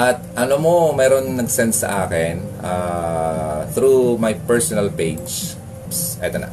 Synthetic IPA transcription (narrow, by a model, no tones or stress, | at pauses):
ʔɐt̪̚ʔɐnomomɛːɾonnɐɡsɛnsːɐ̰ʔaːkɪnʔaː | θɾumajpɛɹsonɐlpejd͡ʒ | sʔɛ̰t̪ɐna̰